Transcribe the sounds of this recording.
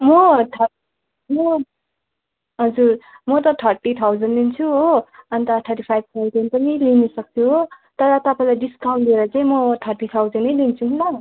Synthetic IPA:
mʌt̪ʰʌ | mʌ | ɦʌd͡zur | mʌt̪ʌt̪ʰʌrʈit̪ʰawd͡zʌnɖlint͡sʰuɦoʌnt̪ʌt̪ʰʌrʈipʰajb̚t̪ʰawzʌnpʌnilinʌsʌk̚t͡sʰuɦo | t̪ʌɾʌt̪ʌpaĩlajɖiskawɳd̪ieɾʌt͡saĩmʌt̪ʰʌrʈit̪ʰawd͡zʌnːʌjlint͡sʰuɦnʌ

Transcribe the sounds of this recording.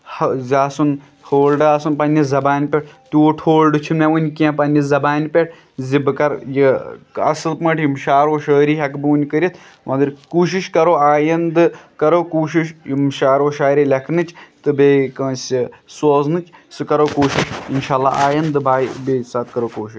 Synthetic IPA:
hɐzʲaːsun | hoːlɖɨaːsunpɐnʲizɐbaːnʲpʲeʈ̚ʰt̪ʲuoʈʰoːlɖɨt͡ʃʰumeunʲkʲãːpɐnʲizɐbaːnʲpʲeʈ̚ʰ | zibɨkɐɾjiɐ̰sɨlpmɐʈʰjimʃaːɾoːʃəːɾiːɦɐkbɨunʲkəɾʲit̪ʰ | mɐ̃d̪ɨɾkuːʃ̬iʃkɐɾoːaːjɐnd̪ɨkɐɾoːkuːʃ̬iʃjimʃaːɾoːʃaːɾiːlʲɐkʰnɨt͡ʃʰt̪ɨbekə̃ːsʲisoːznɨt͡ʃʰsɨkɐɾoːkuːʃiʃinʃaːlːaːaːjɐnd̪ɨbaːjbeːsaːt̪kɐɾoːkoːʃiʃ

